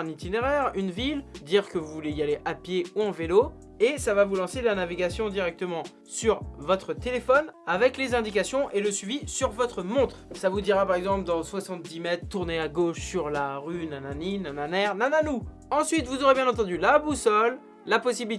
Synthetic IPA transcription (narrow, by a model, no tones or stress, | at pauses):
ɛ̃nit̪ineʁɛʁynvild̪iʁkəvuvuleialeʔapjeuɑ̃velo | esavavulɑ̃selanaviɡasjɔ̃d̪iʁɛk̚t̪əmɑ̃ | syʁvɔt̪χət̪elefɔnavɛklezɛ̃d̪ikasjɔ̃ʔeləsɥivisyʁvɔt̪χəmɔ̃t̪χsavud̪iʁapaʁɛɡzɑ̃pld̪ɑ̃swasɑ̃t̪̚d̪imɛt̪χt̪uʁneaɡoʃsyʁlaʁynananinananɛʁnananu | ɑ̃sɥit̪vuzoʁebjɛ̃nɑ̃t̪ɑ̃d̪ylabusɔlː | apɔsibil